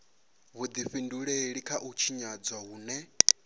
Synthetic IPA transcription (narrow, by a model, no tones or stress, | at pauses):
βud̪iɸinduɺɛeɺikʰaʔut͡ʃʰiɲad͡zwaɦuːnɛ